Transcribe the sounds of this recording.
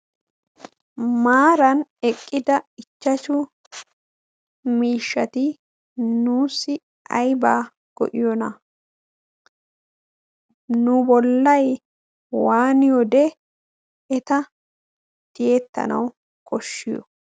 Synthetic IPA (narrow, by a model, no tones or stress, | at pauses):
maːɾɐnɛkʼːɪd̪ɐɪt͡ʃːɐt͡ʃʊ | miːʃːɐt̪ɪ | nuːsɪ | ɐ̰jbaː | ɡ̥ɔ̰ʔɪjɔnɐ | nʊbɔlːɐj | waːnɪjɔd̪ɛ | ɛt̪ɐ | t̪ɪjeːt̪ːɐ̰nɐ̰w | kʰɔʃːɪjɔ̰